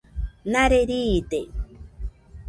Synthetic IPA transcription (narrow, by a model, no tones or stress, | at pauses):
naɾeɾiːt̪e